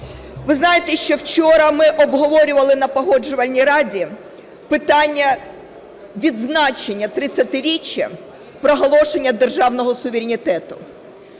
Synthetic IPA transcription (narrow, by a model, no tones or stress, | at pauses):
ʋɪznɑjet̪ɛʃt͡ʃɔwt͡ʃɔɾɐmɪʔɔbɦɔʋɔɾʲʊʋɐlˠɪnɐpɔɦɔd͡ʒʊʋɐlʲnʲijɾɑdʲi | pɪt̪ɑnʲːɐ | ʋʲid̪znɑt͡ʃenʲːɐt̪ɾɪt͡sʲːɐt̪ɪɾʲit͡ʃʲjɐ̰ | pɾɔɦɔlˠɔʃenʲːɐd̪erʒɑwnɔɦɔsʊʋʲeɾʲɪnʲit̪ɛt̪ʊ